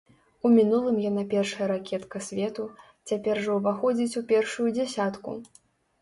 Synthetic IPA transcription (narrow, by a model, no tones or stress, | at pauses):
umʲinulˠɨmjanapʲɛrʂɐjɐɾakʲɛt̪kɐsʲvʲɛt̪u | t͡sʲapʲɛrʐɐwvaxɔd͡zʲit͡sʲupʲɛrʂujud͡zʲasʲat̪kṵ